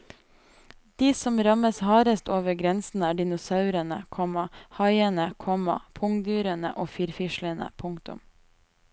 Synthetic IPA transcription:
d̪̥iːsɔmɾɑməshɑːɾəst̪oːʋəɾɡɾɛnsn̩æːɖɪnʊsɑʉɾənə̰kʰɔmɑhɑɪənəkʰɔmɑ̰pʰʊŋd̪yːɾənə̰ʔoːfiːɾfɪʃlənə̰pʰʊŋkt̪ʊ̰m

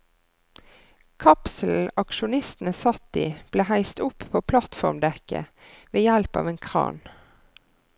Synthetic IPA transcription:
kʰɑpsl̩ɑkʃʊnɪst̪n̩əsɑt̪ːḭːb̥leːhæɪst̪ʊppʰoːpʰlɑt̪fɔʁmd̪ɛkə̰ | ʋeːjælpɑ̰ːʋeːnkʰʁɑ̰ːn

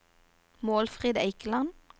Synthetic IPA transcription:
moːlfʁiːd̪æɪklɑn

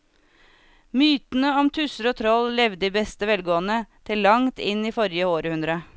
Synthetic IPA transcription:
myːt̪n̩əɔmt̪ʰʉsəɾoːt̪ʰɾɔllɛʋd̪əiːbɛst̪əʋɛlɡoːənət̪ʰɪlːɑŋt̪ɪniːfɔɾjəoːɾəhʉnd̪ɾə

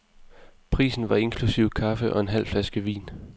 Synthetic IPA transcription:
pʰʁḭːsn̩ʋɑ̈e̝nkʰlusiʊ̰kʰɑ̈fəʔɒ̽e̝nɦæl̰flæsɡ̥əʋḭːn

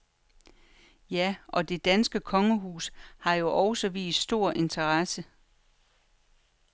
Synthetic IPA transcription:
jæʔɒ̽d̥e̝d̥ænsɡ̥əkʰɒ̽ŋəɦṵːshɑ̈jo̝ʔɒʊsɒʋḭːsd̥sd̥o̝ɐ̰ʔe̝nt͡sʰɐʁɑsə

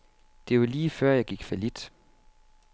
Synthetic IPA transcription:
d̥e̝ʋaliːfɶɐ̰jɑ̈ɪɡ̥iɡ̥fælid̥

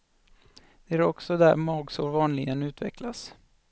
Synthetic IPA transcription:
d̪̥ɛæɾɔksɔd̪æ̰ɾmɑːɡsuːɾvɑːnlɪɡənʉ̟ːt̪vɛ̰klas

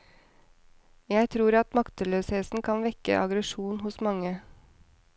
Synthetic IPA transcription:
jæɪt̪ʰɾuːɾɑt̪mɑkt̪əløːsheːsn̩kʰɑnʋɛkə̰ʔɑɡɾəʃuːnhʊsmɑŋə

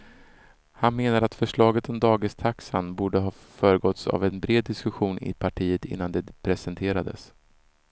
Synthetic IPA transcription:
hanmeːnaɾat̪fœʂɭɑːɡət̪ɔmd̪ɑːɡɪst̪ʰaksa̰nbuːɖəɦɑː | fœːɾəɡɔt̪sa̰vɛnbɾeːd̪ːɪskɵɧuːnɪ̰pʰaʈʰiːət̪ɪ̰nːand̪ɛpʰɾɛsɛnt̪ʰeːɾad̪ə̰s

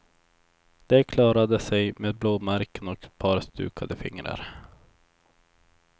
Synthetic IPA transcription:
d̪̥ɛkʰlɑːɾad̪əsɛjmeːd̪̚bloːmæɾkənɔkpʰɑːɾst̪ʉ̟ːkʰad̪əfɪ̰ŋɾə̰ɾ

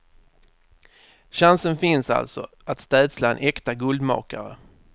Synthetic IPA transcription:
ɕansənfɪnsa̰lt̪sɔ̰ | at̪st̪ɛːd̪slaɛnʔɛkt̪aɡɵld̪mɑ̰ːkaɾə̰

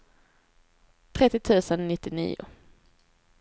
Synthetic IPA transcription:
t̪ʰɾɛt̪ːɪt̪ʰʉ̟ːsənnɪt̪ːɪnḭːʊ̰

